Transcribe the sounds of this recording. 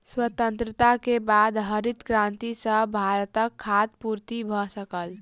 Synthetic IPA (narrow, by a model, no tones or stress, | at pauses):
swət̪ənt̪ɾət̪akebad̪ɦəɾit̪kɾãnt̪isə̃bʱaɾət̪əkʰːat̪̚puɾt̪ibʱɔsəkəl